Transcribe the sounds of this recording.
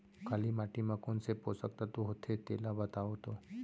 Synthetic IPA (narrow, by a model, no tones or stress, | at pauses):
kʰalimaʈimãkonseposək̚t̪at̪uɦot̪ʰet̪elabət̪aot̪o